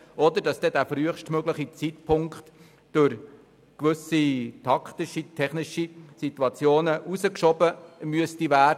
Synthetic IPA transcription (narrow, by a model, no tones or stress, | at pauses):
ɔd̪əɾd̥ɑsd̥ɛdæːfryəχʃtmøɡləχit͡sitpʰʊŋkχt | d̥ʊɾ | kʋɵsitʰɑkχt̪ɪʃitʰɛχnɪʃisitwɑt͡sjoːnəʔuzəkʃɔbəmyəstivæːdə